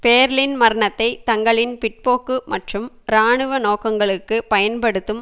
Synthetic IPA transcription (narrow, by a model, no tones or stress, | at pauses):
peːɾlɪnmɐɾɐɳɐt̪ːɐɪt̪ɐŋɡɐɭɪnpɪʈ̚poːkːɯmɐʈrɯm | ɾaːɳɯʋɐnoːkɐŋɡɐɭɯkːɯpɐjɐnpɐɽɯt̪ːɯm